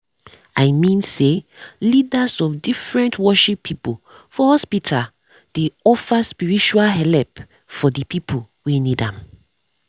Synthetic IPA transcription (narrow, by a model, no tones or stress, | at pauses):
ajmĩnselidasɔfdifɹɛ̃ntwɔʃipʰːipofɔhɔspitʰal | d̥eɔfaspiɹit͡ʃualɦɛlɛp | fɔdipipʰo | wenidãm